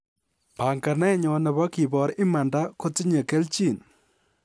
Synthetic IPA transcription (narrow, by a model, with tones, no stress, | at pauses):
pa˨ŋka˨nɛ˦ɲɔ˨nɛ˨bɔ˦ki˨bɔ˨˦ɾɪ˦ma˨nda˦ko˦ti˦ɲe˨ke˦lt͡ʃi˦˨n